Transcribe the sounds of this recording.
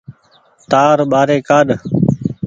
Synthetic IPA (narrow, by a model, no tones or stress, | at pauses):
t̪aːɾɓaːɾeːkaːɗ